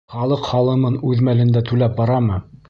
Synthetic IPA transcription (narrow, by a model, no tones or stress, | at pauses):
χɑlˠɤqχɑlˠɤ̆mɤnʉðmælɘ̆nd̪æt̪ʉlæp̚bɑɾɑmɤ